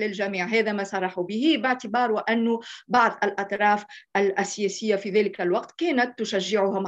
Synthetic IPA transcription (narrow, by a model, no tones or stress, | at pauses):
lɪlʒæmiːʕɦæːðæmæsˤɑrˤːɑħubɪhibɪʕt̪ɪbɑːɾˤwɪʔænːʊbɑʕðˤʔalʔɑt̪ˤɾˤɑːfʔælʔæsːɪjæːsɪjːafiðæːlɪkælwɑqt̪kɛːnæt̪ːʊʃæʒːɪʕʊɦam